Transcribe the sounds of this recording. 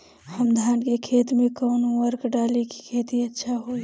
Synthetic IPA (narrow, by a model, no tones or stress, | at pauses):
həmd̪ʱaːnkekʰeːt̪mẽkɔnwəɾkɖaːliki̥kʰeːt̪iətːʃʰaɦoi